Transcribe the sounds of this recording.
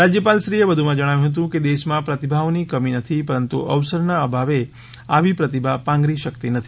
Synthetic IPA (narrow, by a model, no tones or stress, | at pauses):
ɾad͡ʒjəpalʃɾiebəd̪ʱumãd͡ʒəɽ̃aʋjũɦət̪̬ũked̪eʃmãpɾət̪ibʱaʋnikəminət̪ʰipəɾənt̪ṵʔəʋsəɾnaəbʱaʋe | aʋipɾət̪ibʱapãŋɡɾiʃəkt̪inət̪ʰi